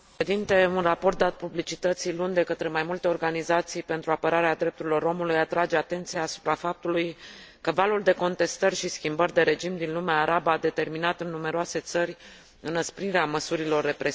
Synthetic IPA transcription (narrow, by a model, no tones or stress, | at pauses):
ed̪int̪e̞unrapo̞rt̪̚d̪at̪̚publit͡ʃit̪ət̪silund̪e̞kət̪ɾe̞majmult̪e̞o̞rɡanizat̪sijpe̞nt̪ɾuapəɾaɾead̪ɾe̞p̚t̪uɾilo̞ɾo̞mulujat̪ɾad͡ʒe̞at̪e̞nt̪sijaːsu̥pɾafap̚t̪uluj | kəvaluld̪e̞ko̞nt̪e̞st̪ərʲʃiskʲimbərʲd̪e̞ɾe̞d͡ʒimd̪inlumeaːɾabaːd̪e̞t̪e̞rminat̪ɨnːume̞ɾoase̞t̪sərʲ | ɨnəspɾiɾeaməsuɾilo̞rːe̞pɾe